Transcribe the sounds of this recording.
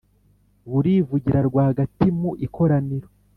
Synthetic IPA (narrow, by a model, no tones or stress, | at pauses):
βuɾiːvuɟiɾaɾɡwaːhaɡatimuʔiko̞ɾaniɾo